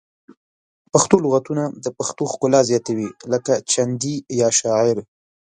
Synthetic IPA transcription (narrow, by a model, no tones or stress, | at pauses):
paxt̪olʊɣat̪unad̪əpaxt̪oxkʊlɑzjɑt̪awiləkat͡ʃand̪ijɑʃɑɪɾ